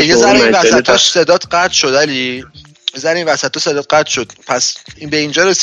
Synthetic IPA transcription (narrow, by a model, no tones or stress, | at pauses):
ejezæɾinvæsæt̪ʰːɒsed̪ɒːt̪ʰɢæt̪ʃod̪æli | jezæɾinvæsæt̪ʰːɒse̞d̪ɒːt̪̚ɢæt̪ʃod̪̥pʰæsibeind͡ʒɒːɾes